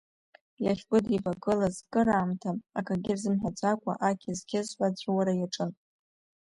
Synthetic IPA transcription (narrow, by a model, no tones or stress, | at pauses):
laχʲbʼɨdivaɡɨlazkʼɨɾaːmtʰaːkʰaɡʲɪrzɨmħʷᶣad͡zʷʼakʷʼa̰ʔakʲʰɪzɡʲɪzħʷat͡ɕʷʰʼwaɾajaʈ͡ʂʼɨn